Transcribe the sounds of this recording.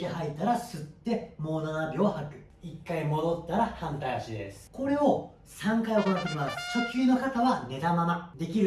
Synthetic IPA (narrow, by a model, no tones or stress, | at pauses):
iɦait̪aɾasɨt̪ːe̞mo̞ːnanabʲohakɯ̟̥ | ikːaimo̞d̪o̞t̪ːaɾahãnt̪aɕid̪e̞̰sɨ̥ko̞ɾe̞o̞ | sãŋkajo̞knat̪ːek̬ʲimasɨ̥t͡ɕo̞kʲɨːno̞kat̪aβane̞t̪amamad̪e̞kʲiɾɯ